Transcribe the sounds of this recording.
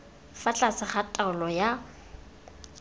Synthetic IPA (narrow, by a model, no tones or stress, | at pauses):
fat͡ɬʼasɪχatʼaʊlɔja